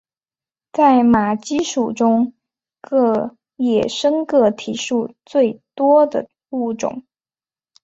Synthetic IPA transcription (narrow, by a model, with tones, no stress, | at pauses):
t͡sa˥˩ɪma˨˩t͡ɕi˥ʂu˨˩ʈ͡ʂʊ˥ŋ | kɤ˥˩ | jɛ˨˩ʂɤ˥ŋkɤ˥˩t̪ʰi˨˥ʂu˥˧t͡swe˥˩ɪt̪wɔ˥d̪ə̰˨˩ | u˥˩ʈ͡ʂʊ̰˨˩˦ŋ